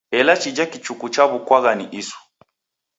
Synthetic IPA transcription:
ɛlat͡ʃid͡ʒakit͡ʃukut͡ʃaβukwaɣaniʔisu̥

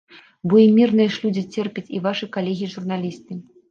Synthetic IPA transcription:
bɔimʲirnɨjɛʂlʲud͡zʲit͡sʲɛrpʲɛt͡sʲivaʂɨkalʲeɣʲiiʐurn̪alʲist̪ɨ

